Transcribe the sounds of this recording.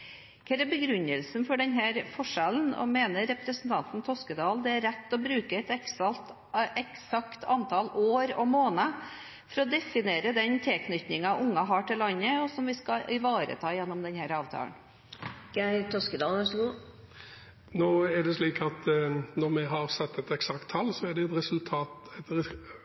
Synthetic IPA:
kʰɛɾɛbəɡɾʉnəlsn̩fɔɖɛnɦæːɾfɔʂɛln̩ɔ̰meːnəɾːɛpɾəsənt̪ʰɑnt̪n̩t̪ʰɔskəd̪ɑːld̪ɛæɾɾɛt̪ːɔbɾʉːkəɛt̪ɛkst̪ | ɛksɑkt̪ʰɑnt̪ʰɑloːɾɔ̰moːnə | fɔɾɔd̪ɛfɪneːɾəd̪ɛnt̪ʰɪlkʰnʏt̪nɪŋɑʊŋːɑɦɑːʈɪlːɑnːəɔsɔmʋɪskɑʔɪʋɑːɾə̰t̪ʰɑːjɛnːɔmd̪ɛnhæːɾɑːʋt̪ʰɑ̰ːlə̰n | ɡ̥æɪt̪ʰɔskəd̪ɑːlʋʂɡuː | noːæɖɛsliːkɑt̪nɔɾmɛɦɑɾsɛt̪ːɛt̪ɛksɑkt̪ʰːɑlːsɔæɖɛɛt̪ɾɛsʉlt̪ʰɑːt̪ɛt̪

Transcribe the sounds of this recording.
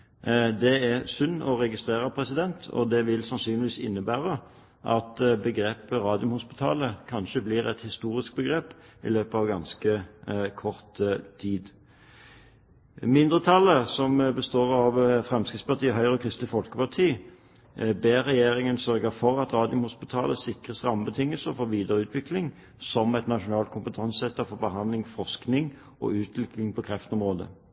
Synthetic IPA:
d̪ɛæsʉnːɔʁɛɡɪst̪ʁeːʁəpʰʁɛsɪd̪ɛnt̪ʰɔ̰d̪ɛʋɪlsɑnsyːnlɪʋiːsɪnːəbæːʁə | ʔɑt̪bəɡʁeːpəʁɑːd̪ɪʊmhʊspɪt̪ʰɑ̰ːləkʰɑnʃəblɪʁɛ̰t̪hɪst̪uːɾɪsk̚bəɡʁeːpɪ̰løːpəɑʋɡɑnskəkʰɔʁt̪t̪ʰiːd̪ | mɪnd̪ʁət̪ʰɑlːəsɔmbəst̪oːʁɑʋfʁɛmskʁɪit̪spɑʁt̪ʰiːəɦœʏʁɔkʰʁɪst̪lɪfɔlkəpɑʁt̪ʰiː | beːʁɛjeːʁɪŋənsœʁɡəfɔʁɑt̪ʁɑːd̪ɪʊmhʊspɪt̪ʰɑːləsɪkʁəsʁɑmːəbət̪ʰɪŋːəsəfɔʋiːd̪əʁəʉːt̪ʰʋɪklɪŋ | sɔmɛt̪nɑʂʊnɑːlt̪kʊmpət̪ʰɑnsɛt̪ːɑfɔbəɦɑnd̪lɪŋfɔʁsknɪŋ | ɔ̰ʉːt̪ʰlɪklɪŋpʰɔkʰʁɛft̪ɔmʁoːd̪ə̰

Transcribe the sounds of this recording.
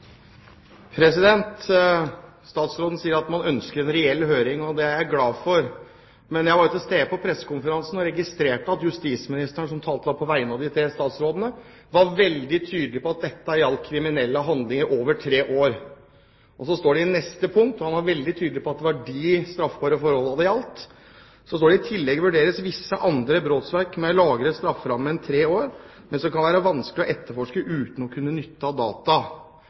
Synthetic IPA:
pʰɾɛsɪd̪ɛnt̪ | st̪ɑːt̪sɾoːd̪n̩siːəɾɑt̪mɑnœnskəɾɛnɾɛɛlhøːɾɪŋɔd̪ɛææɡlɑːfɔɾ | mɛnjæɪʋɑːɾjʊt̪ɪst̪eːpʰɔpʰɾɛsːə̥kʊnfəɾɑnsn̩ɔɾɛɡɪst̪ɾeːʈəɑt̪jʉst̪iːsmɪnɪst̪əɳʂɔmt̪ʰɑːlt̪əɑːpʰɔʋæɪənɑʋd̪ɪt̪ʰɾeːst̪ɑːt̪sɾoːd̪ənə | ʋɑɾʋɛld̪ɪt̪ʰyːd̪əlɪpɔɑt̪̚d̪ɛt̪ːəæɾɪɑlt̪kʰɾɪmɪnɛlːəɦɑnd̪lɪŋəɾʔoːʋəʈʰɾeːʔoːɾ | ʔɔsɔst̪oːɖɛɪnɛst̪əpʰʊŋk̚t̪ɔhɑnʋɑɾʋɛld̪ɪt̪ʰyːd̪lɪpʰɔɑt̪̚ɛʋɑɖist̪ɾɑfbɑːɾəfɔɾɔlːɑd̪ɛɑlt̪ | sɔst̪oːɖɛɪt̪ʰɪlːɛɡəʋʉɖeːɾəsʋɪsːəʔɑnd̪ɾəbɾoːt̪sʋæɾkmɛlɑːɡəɾəst̪ɾɑfːɾɑmːəɛnt̪ʰɾeːoːɾ | mɛnsɔkʰɑnʋæːɾəʋɑnsklɪɔʔɛt̪ːəɾfɔʂkəʔʉːt̪n̩ɔkʰʉnːənʏt̪ːɑd̪ɑːt̪ɑ

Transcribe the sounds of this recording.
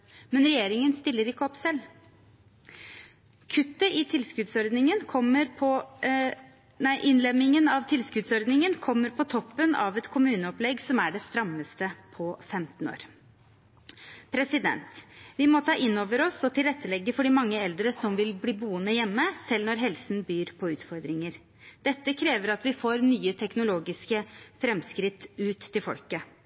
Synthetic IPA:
mɛnɾɛjeːɾɪŋənst̪ɪlːəɾɪkːəɔpsɛlː | kʰʉt̪ːəʔɪt̪ʰɪlskʉd̪sɔɾd̪nɪŋənkʰɔmːəɾpʰɔ | næɪʔɪnlɛmːɪŋənɑʋt̪ʰɪlskʉd̪sɔɾd̪nɪŋənkʰɔmːəɾpʰɔt̪ʰɔpːənɑ̰ʋɛt̪kʰʊmʉːnəɔplɛɡsɔmæɖɛst̪ɾɑmːəst̪əpʰɔfɛmt̪n̩o̰ːɾ | pʰɾɛsɪd̪ɛ̰nt̪ʋɪmɔt̪ʰɑːʔɪnːoːʋəɾɔsɔt̪ʰɪlɾɛt̪ːəlɛɡːəfɔɖɪmɑŋːəɛld̪ɾəsɔmʋɪlbliːbuːənəjɛmːəsɛlnɔɾɦɛlsn̩byːɾpʰɔʉːt̪fɔɾd̪ɾɪŋəɾ | d̪̥ɛt̪ːəkʰɾeːʋəɾɑt̪ʋɪfoːɾnyːət̪ʰɛknʊloːɡɪskəfɾɛmskɾɪt̪ːʉːt̪ʰːɪlfɔ̰lkə

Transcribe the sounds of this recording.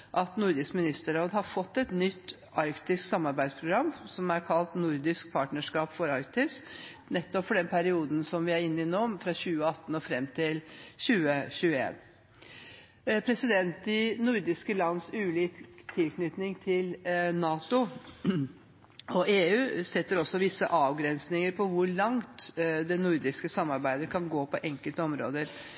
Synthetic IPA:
ʔɑt̪nʊɾd̪ɪskmɪnɪst̪əɾoːd̪ɦɑɾfɔt̪ːɛt̪nʏt̪ː | ɑɾkt̪ɪsksɑmːɑɾbæɪd̪spʰɾʊɡɾɑmːsɔmæɾkʰɑlt̪nʊɾd̪ɪsk̚pʰɑːʈnəʂkɑːpfɔɾɑɾkt̪ɪs | nɛt̪ːɔpfɔɖɛnpʰæɾɪuːd̪n̩sɔmʋɪæɾɪnːɪnoːmfɾɑɕʉːəɑt̪ːn̩ɔfɾɛmːt̪ʰɪlɕʉːəɕʉːəḛːn | pʰɾɛsɪd̪ɛnt̪ːɪnʊɾd̪ɪskəlɑnːəsʉːliːkt̪ʰːɪlkʰnʏt̪nɪŋt̪ʰɪlnɑːt̪ʊ | ɔʔeːʉːsɛt̪ːəɾɔsːɔʋɪsːəʔɑːʋɡɾɛnsnɪŋəɾpʰɔʋʊɾɭɑŋt̪d̪ɛnʊɾd̪ɪskəsɑmːɑɾbæɪd̪əkʰɑnɡoːpʰɔʔɛŋkəlt̪əɔmɾo̰ːd̪əɾ

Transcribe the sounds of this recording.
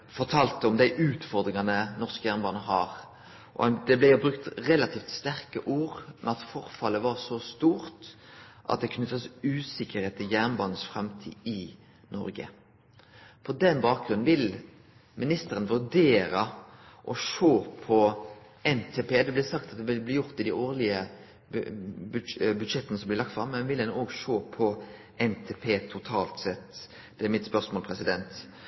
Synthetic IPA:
fɔʁʈʰɑːlt̪əɔmd̪æɪʔʉːt̪fɔɾd̪ɾɪŋɑnənɔʁskəjæːʁnbɑːnəɦɑːɾ | ʔɔ̰d̪ɛblæjʊbɾʉkt̪ʁɛlɑt̪ʰiːft̪st̪æɾkəʔuːʁmʔɛnɑt̪fɔɾfɑlːəʋɑɾsɔst̪uːɾt̪ʔɑt̪̚d̪ɛkʰnʏt̪ːəsʉːsɪkəɾheːt̪ʰːɪljæʁnbɑːnəsfɾɛmt̪ʰḭːd̪ɪ | nɔ̰ɾɡə̰ | pʰɔd̪ɛnbɑːk̚ɡ̥ɾʉnn̩ʋɪl | mɪnɪst̪əɾənʋʉʁɖ̪eːɾə | ʔɔʃoːpʰɔ | ɛnt̪ʰeːpeːd̪ɛblɪsɑkt̪ɑt̪̚d̪ɛʋɪlbliːjʊʁt̪ːɪd̪ɪoːʁlɪə | bbʉd̪ʂɛt̪ːənəsɔmblɪlɑkt̪fʁɑ̰mːɛnʋɪldɛnoːɡʂoːpʰɔ | ɛnt̪ʰeːpʰeːt̪ʰʊt̪ʰɑːlt̪sɛt̪ː | d̪̥ɛæɾmɪt̪spœʁsmoːlpʰɾɛsɪd̪ɛnt̪

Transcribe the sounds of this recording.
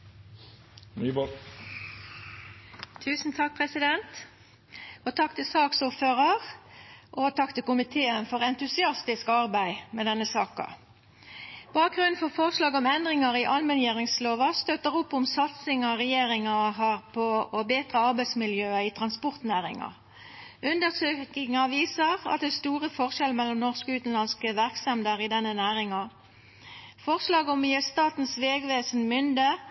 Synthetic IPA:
nyb | t̪ʰʉːsn̩t̪ʰɑk̚pʰʁɛsɪd̪ɛnt̪ | ɔt̪ʰɑk̚t̪ʰɪsɑːksuːʁføːʁɑʁʔɔt̪ʰɑkt̪ɪkʊmɪt̪ʰeːənfɔʁɛnt̪ʉsɪɑst̪ɪskɑʁbæɪmɛd̪ɛnːəsɑːkɑ̰ | b̥ɑːk̚ɡʁʉnn̩fɔʁfɔʁslɑːɡɔmɛnd̪ʁɪŋɑʁɪʔɑlmɛnjeːʁɪŋsloːʋɑst̪øt̪əʁʊpːʊmsɑt̪sɪŋɑʁɛjeːʁɪŋɑɦɑʁpʰɔɔbeːt̪ʁəɑʁbæɪsmɪljøːəɪt̪ʰʁɑnspɔʁt̪næːʁɪ̰ŋɑ̰ | ʉnd̪əʁsøːkɪŋɑʋiːsəʁɑ̰t̪̚d̪ɛːst̪uːʁəfɔʁʃɛlmɛlːɔmnɔʁskʉːt̪n̩lɑnskəʋæʁksɛmd̪əʁɪd̪ɛnːənæːʁɪŋɑ | fɔʁslɑːɡɔmːɪjəst̪ɑːt̪n̩sʋeːɡʋeːsənmʏnd̪ə

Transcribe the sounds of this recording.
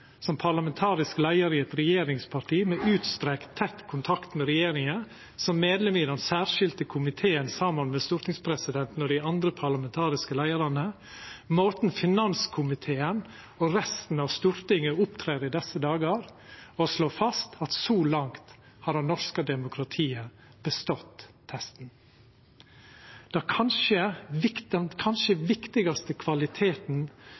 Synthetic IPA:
sɔmpʰɑɾlɑmɛnt̪ʰɑːɾɪsklæɪəɾɪɛt̪ɾɛjeːɾɪŋspʰɑʈʰiːmɛʔʉːt̪st̪ɾɛkt̪ʰːɛt̪ːkʰʊnt̪ʰɑkt̪mɛɾɛjeːɾɪŋə | sɔmːeːd̪lɛmiːd̪ɛnsæːɾʂɪlt̪əkʰʊmɪt̪ʰeːənsɑmɑnmɛst̪ʉɾt̪ɪŋspʰɾɛsɪd̪ɛnt̪n̩ɔd̪ɪɑnd̪ɾəpʰɑɭɑmɛnt̪ʰɑːɾɪskəlæɪəɾɑnə | moːt̪n̩fɪnɑnskʰʊmɪt̪ʰeːən | ɔɾɛst̪n̩ɑʋst̪ʉɾt̪ɪŋəʊpt̪ʰɾeːɾɪd̪ɛsːəd̪ɑːɡɑɾɔsloːfɑst̪ʰɑt̪sɔlɑŋt̪ | hɑɾɑnːɔʂkəd̪ɛmʊkʰɾɑt̪ʰiːə | b̥əst̪ɔt̪ː | hɛst̪n̩ | d̪̥ɑkʰɑnʃəɪkɛnkʰɑnʃəʋɪkt̪ɪɡɑst̪əkʰʋɑlɪt̪ʰeːt̪n̩

